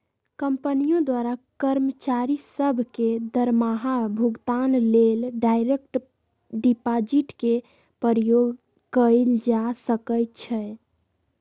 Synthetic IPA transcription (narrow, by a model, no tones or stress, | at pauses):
kəmpənijõd̪waɾakəɾmət͡ʃaɾisəbʱked̪əɾmaɦabʱuɡt̪anlelɖajɾekʈ | ɖipad͡ʒiʈke | pəɾəjoɡ | kəld͡ʒasəkəjt̪̚t͡ʃʰɛ